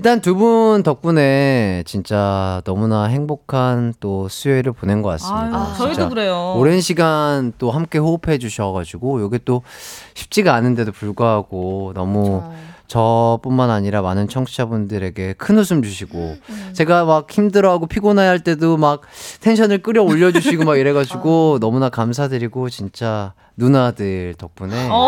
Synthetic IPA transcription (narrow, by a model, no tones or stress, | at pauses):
iɭt͈antubuntʌp̚p͈une̞t͡ɕint͡ɕ͈anʌmunaɦe̞ŋbokʰant͈osʰueɾɯɭponenɡʌk͈a̰s͈ɯmidait͡ɕakɾejooɾe̞nɕʰiɡant͈oɦamk͈e̞ɸoːpʰe̞d͡ʑuɕʰʌɡad͡ʑiɡojʌɡit͈oɕʰi̥p̚t͡ɕ͈iɡaːnɯnde̞dopuɭɡoɦaɡonʌmut͡ɕʌp͈unmanaɲiɾamanɯnt͡ɕʰʌŋt͡ɕʰiabundɯɾe̞ɡe̞kʰɯnos̬ʰɯmd͡ʑuɕʰiɡo̰t͡ɕe̞ɡamak̚çimdɯɾʌɦaɡopʰiɡonajɦaɭt͈e̞domak̚tʰe̞nɕʰʌnɯɭk͈ɯɾjʌoʎːʌd͡ʑuɕʰiɡomaɡiɾeɡad͡ʑuɡonʌmunakams̬ʰadɯɾiɡot͡ɕint͡ɕ͈a | nunadɯɭtʌk̚p͈une̞